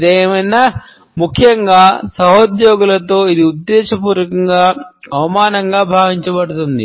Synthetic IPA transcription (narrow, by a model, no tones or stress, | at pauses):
d̪eːmɐjna | mukʰjɐŋɡaːsɐɦod̪joːɡulɐt̪o̞ːid̪iud̪ːɛːʃɐpuːɾɐkɐŋɡaːɐʋɐmaːnɐŋɡaːbʱaːʋiɲt͡ʃɐbɐɽut̪und̪ḭ